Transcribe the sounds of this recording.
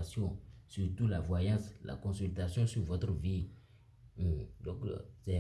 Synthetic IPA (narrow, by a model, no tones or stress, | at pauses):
sjɔ̃syʁt̪ulavwajãsla̰kɔ̃sylt̪asjɔ̃syvot̪ɾvi | d̪ɔ̃ksɛ